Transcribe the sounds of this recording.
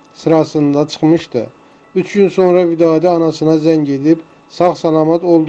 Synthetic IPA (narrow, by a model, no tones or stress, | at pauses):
sɨɾɑsɯnd̪ɑt͡ʃʰɯ̥χmɯʃt̪ɯ̰ | yt͡ʃʰɡynsonɾɑvid̪ɑːd̪æɑnɑsɯnɑzæŋɟed̪ip | sɑχsælˠɑːmɑt̪olˠd̪